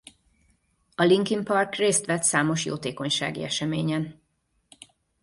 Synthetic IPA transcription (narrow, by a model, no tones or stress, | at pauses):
ɒliŋkimpɒrkreːst̪ʋɛt̪saːmo̞ʃjo̰ːt̪eːko̞ɲʃa̰ːɡḭɛʃɛmeːɲɛn